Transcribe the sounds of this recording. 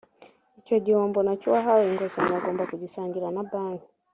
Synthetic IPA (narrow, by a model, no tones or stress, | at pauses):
icoɟioːmbonacuwaɦawiŋɡosaɲaɡoːmbakuɟisaːŋɡiɾanaβaːnɡi